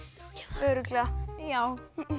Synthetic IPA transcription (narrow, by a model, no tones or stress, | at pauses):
œɾʏklajaw